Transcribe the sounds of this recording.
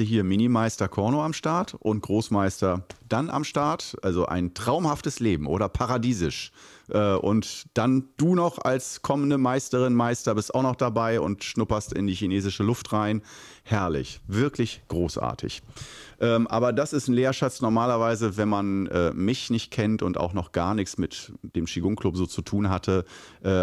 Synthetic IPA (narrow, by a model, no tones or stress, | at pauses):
hiːɐmɪnimaɪstɐkʰɔɐnoamʃtaɐtʔʊnt̚ɡ̥ʁoːsmaɪstɐd̥anʔa̰mʃtaɐtʔalzoʔa̰ɪntʁ̥aʊmhaftəsleːbm̩ʔoːɾɐpʰaʁadiːzɪʃʔɛːʔʊ̰ntd̥and̥uːnɔχa̰lskʰɔməndəmaɪstəʁɪnmaɪstɐbɪstaʊxnɔχd̥abaɪʊ̰ntʃnʊpɐstɪ̰ndiːçineːzɪʃəlʊftʁaɪn | hɛɐlɪ̰çv̥ɪɐklɪçɡ̥ʁoːsʔa̰ːɐtʰɪ̰çʔɛːmʔa̰ːbɐdasɪstn̩leːɐʃat͡snɔɐmaːlɐvaɪzəvɛnmanʔɛːmɪçnɪçt̚kʰɛntʊnta̰ʊxnɔχɡ̥aːɐnɪçt͡smɪtd̥eːmʃiɡʊŋkʰlʊpz̥oːt͡sutʰuːnɦatʰəʔɛː